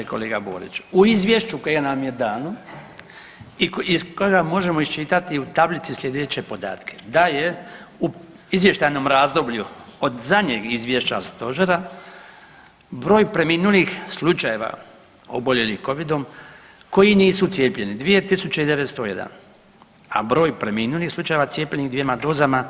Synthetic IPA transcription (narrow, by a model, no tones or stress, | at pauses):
eko̞̰leːɡabo̞̰ːɾḭt͡ʃuizʋʲjeʃt͡ɕukojɡanamjed̪aːno | iikoɡamo̞ʒe̞mo̞ist͡ʃit̪at̪iut̪ablit̪sislʎʲed̪et͡ɕe̞po̞d̪a̰ːt̪kʰe̞̥d̪aje̞u | izʋje̞ʃt̪ajno̞mɾaːzd̪o̞bʎuod̪zadɲeɡizʋje̞ʃt͡ɕa̰st̪o̞ʒeɾa | bɾo̞ːjpɾe̞miːnulixslˠut͡ʃaje̞ʋa̰ | o̞̰bo̞ʎe̞lixko̞ʋid̪o̞m | ko̞jiniːsut̪sjeːpʎʲe̞nid̪ʋije̞t̪isut͡ɕeid̪e̞ʋe̞t̪st̪oje̞̰d̪a̰n | a̰bɾo̞ːjpɾe̞miːnulixslˠut͡ʃaje̞ʋat̪sje̞ːpʎeniɣd̪ʋjemad̪o̞ːzama